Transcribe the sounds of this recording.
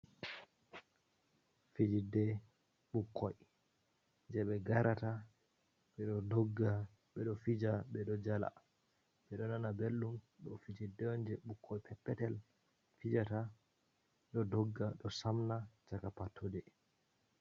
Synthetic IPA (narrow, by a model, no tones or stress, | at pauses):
fid͡ʒidːɛ | ɓukʰːɔj | nd͡ʒɛɓɛɡaɾata | ɓɛɗɔdɔɡːa | ɓɛɗɔfid͡ʒaɓɛɗɔd͡ʒala̰ | ɓɛɗɔnanabelːum | ɗɔfid͡ʒidːɛɔnd͡ʒɛɓukʰːɔjpʰɛpːɛtɛl | fid͡ʒata | ɗɔdɔɡːaɗɔsamnat͡ʃakapatʰːodɛ